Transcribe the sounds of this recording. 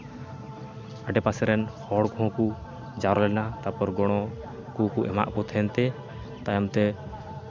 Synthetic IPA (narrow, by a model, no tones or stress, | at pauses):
aɖɛpasɛɾɛnhɔɽkɔhɔ̃ku | d͡ʒaɾɔlɛɛnat̪apɔɾɡɔɽ̃ɔ | kukuʔɛ̰ma̰ʔkɔt̪ʰɛnt̪ɛ | t̪ajɔmt̪ɛ